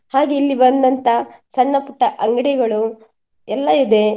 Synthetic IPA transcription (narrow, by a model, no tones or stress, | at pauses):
haːɡeilːibɐnd̪ɐnt̪ʰɐsɐɳːɐpuʈːɐʔɐŋɡɐɽɛɡɐɭu | ɛlːɐid̪e̞